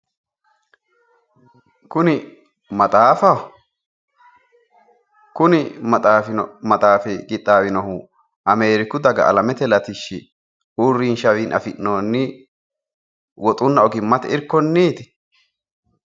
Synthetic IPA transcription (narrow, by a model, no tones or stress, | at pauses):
kʊnɪ | mɐt̪ʼaːfɐ | kʊnɪmɐt̪ʼaːmɐt̪ʼaːfɛɡɪt̪ʼːaːwɪnɔhʊ | ʔɐme̞ːɾɪkʊd̪ɐɡɐ̰ʔɐ̰lɐmɛt̪ɛlɐt̪ɪʃːɪ̰ | uːrːiːnʃɐwiːnʔɐ̰fɪʔnoːnːɪ | wɔt̪ʼʊnːɐɔɡɪmːɐt̪ɛɪɾkːɔnːiːt̪ɪ̥